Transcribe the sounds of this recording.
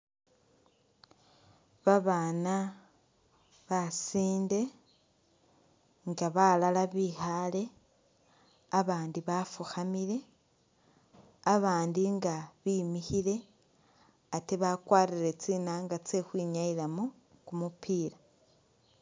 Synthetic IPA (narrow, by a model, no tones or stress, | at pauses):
βaβaːna | βasiːnde̞ | ŋɡaβalalaβihale̞ | aβaːndiβafuxamiɾe̞ | aβaːndiŋɡaβiːmihiɾe̞ | ateβakwaːɾiɾet͡siːnaŋɡat͡se̞xwiːɲaiɾamo | kumupʰiːɾa